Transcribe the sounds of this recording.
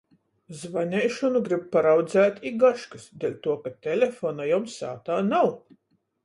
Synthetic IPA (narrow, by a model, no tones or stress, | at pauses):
zvanʲɛjʃɔnuɡɾib̚paɾawd̪zæːt̪ʲiɡaʃkɨsd̪elʲt̪uɔkat̪ʲɛlʲefoːnajɔmsa̰ːt̪aːnaw